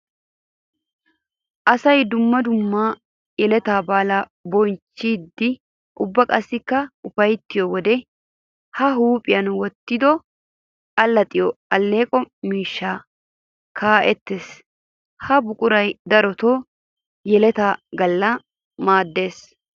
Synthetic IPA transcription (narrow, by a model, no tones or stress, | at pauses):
ʔɐsɐjd̪ʊmːɐd̪ʊmːaː | jɛlɛt̪aːbaːlabɔnt͡ʃːid̪ːɪ | ʔʊbːɐkʼɐsːɪkːɐʊfɐjt̪ːɪjɔwɔd̪ɛ | hɐɦuːpʼɪjɐnwɔt̪ːɪd̪ɔ | ɐlːɐt̪ʼɪjɔɐlːe̞ːkʼɔmiːʃːaː | kʰaːʔɛt̪ːeːs | hɐbʊkʼʊɾɐjd̪ɐɾɔt̪oː | jɛlɛt̪aːɡɐlːɐ | maːd̪ːe̞ːs